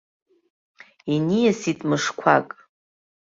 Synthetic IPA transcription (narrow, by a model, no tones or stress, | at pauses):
inijasitʼmɨʂkʷʰakʼ